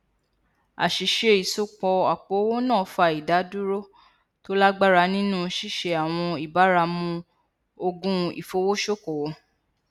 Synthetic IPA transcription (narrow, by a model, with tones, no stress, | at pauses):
a̰˨ʃi˨˦ʃe˧i˨so˨˦k͡pɔ˧a˨k͡po˨˦wo˦nã˦˨fa˧i˨da˨˦du˦ɾo˦ | to˦la˦ɡ͡ba˦ɾa˧˦nĩ˦nũ˦ʃi˦˨ʃe˧a˨w̃ɔ̃˧i˨ba˨˦ɾa˧mũ˧ | o˧ɡũ˦ḭ˨fo˨˦wo˦ʃo˦˨ko˨˦